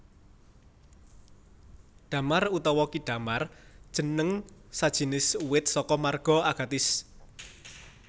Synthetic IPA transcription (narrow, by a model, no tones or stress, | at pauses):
ɖ̥a̤marut̪ɔwɔkiɖ̥ä̤mard̥ʒ̥ə̤nəŋsad̥ʒ̥i̤nɪsuwɪt̪̚sɔkɔmarɡ̥ɔ̤aɡ̥a̤t̪ɪs